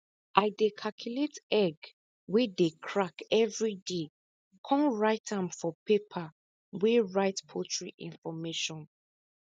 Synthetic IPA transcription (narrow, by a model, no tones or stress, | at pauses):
ʔaɪdekʰakʰjuletɛɡ | wedekʰɹakɛvɹide | kʰɔ̃nɹaɪtʰãmfɔpepʰa | weɹaɪtpʰotɹiʔḭ̃nfɔmeʃɔ̃n